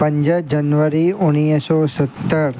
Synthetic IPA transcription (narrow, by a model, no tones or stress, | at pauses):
pəɲd͡ʒəd͡ʒənʋəɾiʊnijsɔsət̪ːəɾ